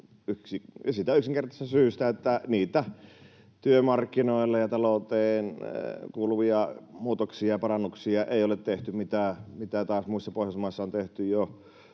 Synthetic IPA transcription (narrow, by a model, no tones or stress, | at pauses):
yksiɑsiːt̪æyksiŋkert̪ɑst̪ɑsyːst̪æet̪ːæniːt̪æ | t̪yømɑrkːinoˑilːɑjɑt̪ɑloˑut̪eːnkuːluʋiɑmuːt̪oksiɑjɑpɑrɑnːuksiɑʔeˑiolet̪t̪eht̪ymit̪æmit̪æt̪ɑːsmuisːɑpoˑehjɑsmɑˑisːɑont̪eht̪yjo